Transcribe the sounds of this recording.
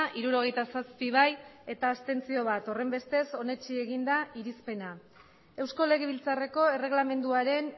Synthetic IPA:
ʔiɾuɾo̞ɣ̞e̞jt̪asaspiβ̞aje̞t̪aːst̪e̞nt͡sio̞βat̪o̞re̞mbe̞st̪e̞so̞ne̞t͡ʃieɣ̞ind̪aiɾispe̞na | e̞wsko̞le̞ɣeβ̞ilt͡sare̞ko̞e̞re̞ɣlame̞nd̪uaɾe̞n

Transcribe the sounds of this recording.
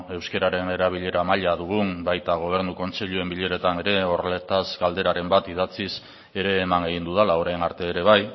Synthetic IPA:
e̞wske̞ɾaɾe̞ne̞ɾaβ̞iʎe̞ɾamaʎaðuɣ̞umbajt̪aɣ̞o̞β̞e̞ɾnuko̞nt͡seʎue̞mbiʎe̞ɾe̞t̪ane̞ɾe̞o̞rle̞t̪azɡald̪e̞ɾaɾe̞mbat̪iðat͡sis | e̞ɾe̞ːmane̞ɣind̪uðalaoɾajnaɾt̪e̞ːɾe̞β̞aj

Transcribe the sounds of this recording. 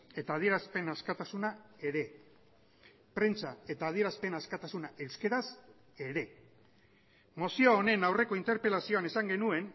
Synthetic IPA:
e̞t̪aːð̞ie̞ɾaspe̞naskat̪asunae̞ɾe̞ | pɾe̞nt͡sae̞t̪aːðie̞ɾaspe̞naskat̪asunaʔe̞wske̞ɾas | e̞ɾe̞ | mo̞sioːne̞nawre̞ko̞int̪e̞ɾpe̞lasio̞anesaŋɡe̞nue̞n

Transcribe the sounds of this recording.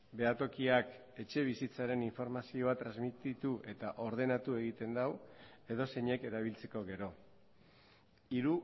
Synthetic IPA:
be̞at̪o̞kiak | e̞t͡ʃe̞β̞isit͡saɾe̞niɱfo̞ɾmasio̞at̪ɾazmit̪it̪uʔe̞t̪aʔo̞ɾð̞e̞nat̪ue̞ɣ̞it̪e̞nd̪awe̞ðo̞se̞ɲe̞ke̞ɾaβ̞ilt͡se̞ko̞ɣe̞ɾo̞ | iɾu

